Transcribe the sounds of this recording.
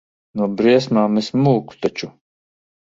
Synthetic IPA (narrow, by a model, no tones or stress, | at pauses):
nuɔbɾiɛs̬maːmɛsmuːku̥t̪at͡ʃu